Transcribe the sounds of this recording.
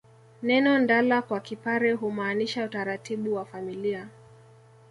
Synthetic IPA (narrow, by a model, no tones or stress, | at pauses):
nɛnɔndalakwakipaɾɛɦumaːniʃautaɾatiɓuwafamilia